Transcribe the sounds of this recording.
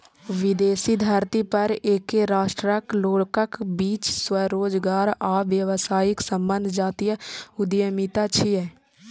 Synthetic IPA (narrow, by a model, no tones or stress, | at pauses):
ʋɪd̪eːsid̪ʱaɾt̪ipəɾeːkeɾaːʃʈɾəkloːɽkəkbiːt͡ʃswəɾoːd͡ʒɡaːɾaːʋjəʋsaːɪksəmbənd̪ʱd͡ʒaːt̪ijəʊd̪jəmit̪at͡ʃʰiɛː